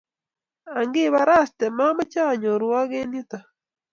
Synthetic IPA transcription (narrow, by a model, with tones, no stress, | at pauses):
a˨ŋɡi˦βa˨ɾa˦ste˨ma˦ma˦caː˦ɲo˨ɾwa˦ɣe˦ni˦ta˨